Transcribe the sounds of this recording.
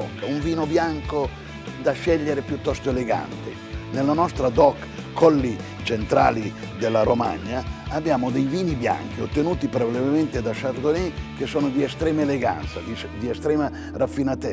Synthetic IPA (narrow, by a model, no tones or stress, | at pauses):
ɔ̰kːauɱviːnobjaŋko | d̪aʃːɛʎːeɾepjut̪ːɔst̪oeleɡa̰nt̪ḛ | nelanɔst̪ɾad̪ɔkʰː | ɔlːi | t͡ʃent̪ɾa̰ːli | d̪elːaɾoma̰ɲːaːbːjaːmod̪ejviːnibja̰ŋk̟iot̪ːenuːt̪ipɾovalevement̪ed̪aʃard̪onɛkesɔːnod̪iɛst̪ɾɛːmaeleɡa̰nt̪sad̪i | d̪iɛst̪ɾɛːma | rafːinat̪ɛ